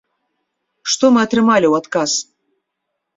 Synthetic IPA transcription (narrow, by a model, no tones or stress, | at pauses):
ʂt̪ɔmɨat̪ɾɨmalʲiwat̪kas